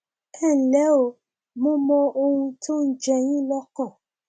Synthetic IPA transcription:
ɛ˦˨lɛ˨˦o˨˦ | mõ˦mɔ̃˧o˧hũ˧tʰo˦n̩˦d͡ʒɛ˧j̃ĩ˦lɔ˦kɔ̃˦˨

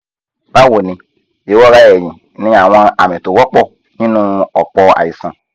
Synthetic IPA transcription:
b̥a˦wo˨nĩ˨ | je˨wɔ˦ɣa˦jɛ˨ɲĩ˨˦nĩ˦˨a˨w̃ã˦a˨mẽ˨to˨wɔ˦k͡pɔ˦ | ɲĩ˦nũ˦ɔ˨k͡pɔ˦a̰˨ji˨sã˦

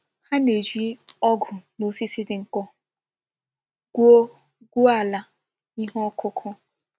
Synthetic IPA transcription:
ha˦ne˨d͡ʒi˦ɔ˦ɡʊ˨no˨si˦sɪ˦dɪ˨ŋ̩˨kɔ˦ | ɡ̥u˦o˦ | ɡu˦a˨la˨ | i˦ɦɔ˦kʰʊ˦kʰɔ˦

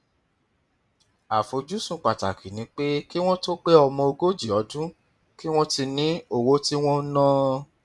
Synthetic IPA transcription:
a˨fo˨d͡ʒu˦sũ˨k͡pa˨ta˨kʰi˨nĩ˨˦k͡pe˦ki˦w̃ɔ̃˦to˦k͡pe˦ɔ˧mɔ̃˧o˧ɡo˦d͡ʒi˦˨ɔ˨˦dũ˦ | ki˦w̃ɔ̃˦ti˧nĩ˦o˨wo˦ti˦w̃ɔ̃˦nɔ̃˦

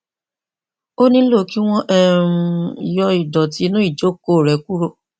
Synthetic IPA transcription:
o˦nĩ˦lo˦˨ki˨˦w̃ɔ̃˦ʔɛ˦˨ɾũ˧˦i˨jɔ˧i˨dɔ˨ti˨˧˦nũ˦i˦˨d͡ʒo˨˦ko˦˨ɾɛ˨˦ku˦ɾo˦˨

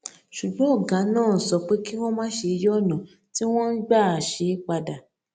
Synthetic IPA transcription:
ʃu˨ɡ͡bɔ̃˨˦ɔ˦˨ɡã˨˦nãː˦˨n̩˨sɔ˨˧k͡pe˦ki˦w̃ɔ̃˦mãː˦ʃe˧jɔ˦˨nã˨ | ti˦w̃ɔ̃˦n̩˦ɡ͡ba˦˨a˨ʃe˨˦k͡pa˧da˨

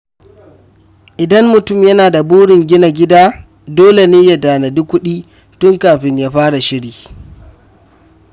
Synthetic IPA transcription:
ʔɪ˨dɐ˦mːʊ˨tʊ˦˨mjɐ˦naː˨da˨buː˦ɽɪ˨ŋɡʲɪ˦na˨ɡʲɪ˦daː˦ | doː˦le˨neː˦ja˨daː˨na˨dʊ˦kʷːʊ˦ɗiː˦ | tʊ˦ŋkaː˨ɸɪ˦ɲjaː˦ɸaː˦ɽa˨ʃɪ˦ɽiː˨

